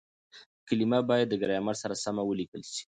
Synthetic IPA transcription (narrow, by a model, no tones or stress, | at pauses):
əkalimabɑjad̪ːəɡaɾajamaɾsaɾasamawəlikəlʃi̥